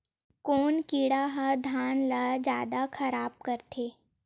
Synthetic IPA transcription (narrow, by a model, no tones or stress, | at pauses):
koːnkiːɽaɦad̪ʱaːnlad͡ʒjaːd̪akɐɾaːb̚kɐɾt̪ʰeː